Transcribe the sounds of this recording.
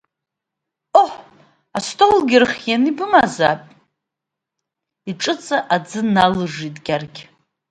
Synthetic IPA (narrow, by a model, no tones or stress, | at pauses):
oħ | astʰʼolɡʲɪrχʲjanibɨmazapʼ | iʈ͡ʂʼɨt͡sʼaʔad͡zɨnalɨʐitʼɡʲarɡʲ